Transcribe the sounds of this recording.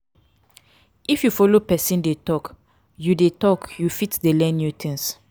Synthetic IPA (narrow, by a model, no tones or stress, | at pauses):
ifjufɔlopɛsĩndetɔk | judetɔkjufitdelɛ̃nːjutʰĩns